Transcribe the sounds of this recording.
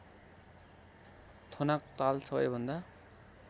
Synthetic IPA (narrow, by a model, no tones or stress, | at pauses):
t̪ʰonak̚t̪alsʌbʌ̰jbʱʌnd̪a